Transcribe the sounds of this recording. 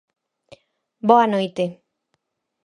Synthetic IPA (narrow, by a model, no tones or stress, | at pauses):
boanojt̪e